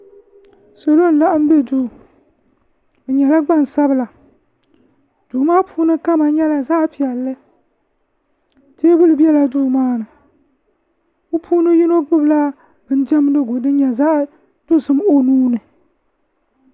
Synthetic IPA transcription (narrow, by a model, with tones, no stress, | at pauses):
so˨lo˦n̩˦la˦ʔɨ˦m̩˦bɛ˦du˦˨ | bɨ˨ɲɛ˨la˦ɡ͡ba˦˨n˨sa˦bɨ˦la˨ | d̥u˨maː˦puː˦nɨ˦ka˦ma˨ɲɛ˦la˨zaː˦pi˨ɛ˨lːɨ˦ | teː˦bɨ˦lɨ˨bɛ˦la˨duː˦˨maː˦nɨ˨ | o˦pʰuː˦nɨ˦ji˦no˦ɡ͡bɨ˦bla˦ | bɨ˦n̩˦d͡ʒɛ˦m˦dɨ˦ɡʊ˨dɨ˦ɲɛ˨zaː˦ | tʊ˦sɨ˦mo˦nuː˦nɨ˨